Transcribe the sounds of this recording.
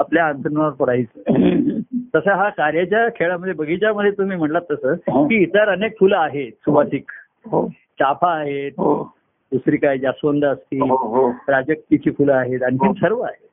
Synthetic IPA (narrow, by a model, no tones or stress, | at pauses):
apljaːnt̪ʰənəɾpoɽajt͡səː | t̪əsaɦakaɾjat͡ɕjakʰeɭaməd̪ʱːjebəɡʱit͡ɕjaməd̪ʱːjet̪um̤iːm̤əʈlat̪ːəsəːkiːt̪əɾənekfuləaɦesuʋasik | ɦo | t͡ɕapʰaːɦet̪̚ɦo | d̪usɾiːkajd͡ʑasʋənd̪ʱəst̪iːɦɾad͡ʑək̚t̪it̪ʰiːfuləaɦet̪aɽ̃ikinsəɾʋəa̰ɦet̪